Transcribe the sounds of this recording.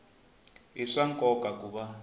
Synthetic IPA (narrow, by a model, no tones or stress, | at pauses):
ɦiʂaŋkʼɔkʼakʼuɓa